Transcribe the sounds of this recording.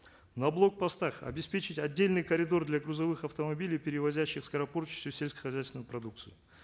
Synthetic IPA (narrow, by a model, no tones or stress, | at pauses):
nɐblˠo̞k̚pɐst̪aχɐ̰bʲɪspʲe̞t͡ɕɪtʲɐdʲːelʲnɨjkəɾʲɪd̪o̞rd̪lʲɐɡɾuzɐvɨxɐft̪əmɐbʲilʲijpʲɪɾʲɪvɐzʲæɕːɪxskɐɾɐpo̞rt͡ɕɪ̥sʲt̪ʲʊsʲelʲsʲkə̥xɐzʲæjst̪vɪnəjpɾɐd̪uk̚t̪sɨɪ